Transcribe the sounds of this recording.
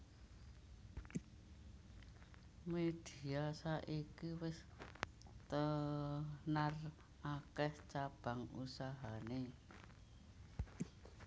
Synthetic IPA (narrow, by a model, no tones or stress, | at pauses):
med̪̥i̤asaʔikiwɪs | t̪ə | nar | akɛht͡ʃab̥a̤ŋṵsaɦane